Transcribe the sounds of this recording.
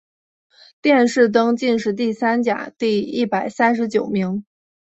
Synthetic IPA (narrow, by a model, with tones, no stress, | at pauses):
t̪jɛ˥˧nʂɻ̩˥˩t̪̬ɤ˥ŋt͡ɕi˥˧nʂ̬ɻ̩˥˧t̪i˥˩sa˥nt͡ɕja̰˨˩˦t̪i˥˧i˥˩pa˨˩ɪsa˥nʂ̬ɻ̩˧˥t͡ɕjo˨˩ʊmi˧˥ŋ